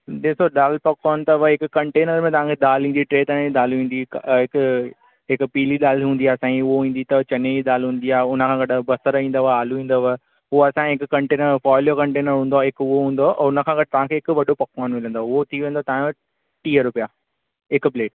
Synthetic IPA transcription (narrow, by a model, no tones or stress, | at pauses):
ɗeːsoɗaːlpɐkːɔːnt̪ɐʋəɦɪkʊkɐ̃ɳʈeːnəɾmẽt̪ɐʋ̤ãkʰeɗ̪aːlĩːnd̪iʈɾeːt̪ɐñɗ̪aːlʋĩːn̆d̪iɪk | ɦɪkpiːliɗ̪aːlɦũːnd̪iaːsãːiʊɦoɦĩːn̆d̪it̪ɐt͡ɕɐneiɗ̪aːlɦũːn̆d̪iaːɦʊnə̆kʰãːɡɐɖbɐsəɾĩːn̆d̪aaːluʋĩːn̆d̪oʋae | ɦʊoɐsãɪkkɐ̃ɳʈeːnəɾfɔːljokɐ̃ɳʈeːnəɾɦũːnd̪oaɦɪkʊɦoɦũːn̆d̪oʔʊnə̆kʰãɡɐɖ̚ɪt̪ɐʋãkʰeːɪkʋɐɗopɐkːɔːnmɪlə̃nd̪oʊɦot̪ʰiʋẽːn̆d̪ot̪aãj̃ | ʈiːəɾʊpija | ɪkpleːʈ